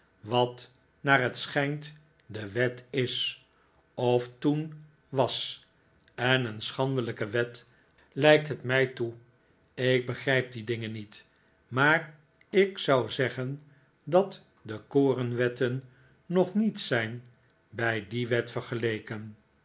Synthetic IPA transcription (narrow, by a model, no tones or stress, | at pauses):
ʋɑt | naːrɦətsχɛjnt | dəʋɛtɪs | ɔftun | ʋɑs | ɛnənsχɑndələkəʋɛt | lɛjk̚tɦətmɛjtu | ɪk̚bəχrɛjp̚didɪŋənit | maːɹ | ɪksɑwzɛχən | dɑt | dəkoːrənʋɛtənː | ɔχnitsɛjn | bɛjdiʋɛtfəɹχəlejkən